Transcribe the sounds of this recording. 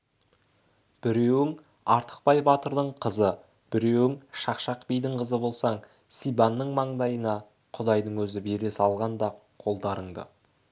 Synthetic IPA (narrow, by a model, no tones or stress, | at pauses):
b̥ɪɾe̞wɪŋ | ɑɾt̪ə̥q̚pɑjbɑt̪əɾd̪əɴqʰəzə | b̥ɪɾe̞wɪŋʃɑqʃɑqpijd̪ɪɴqʰəzəbo̞lˠsɑɴ | sijbɑnːəɴmɑɴd̪ɑjənɑ | qʰʊd̪ɑjd̪əɴwɵzɪbeɾesɑlˠʁɑnd̪ɑ | qʰo̞lˠd̪ɑɾəɴd̪ə̰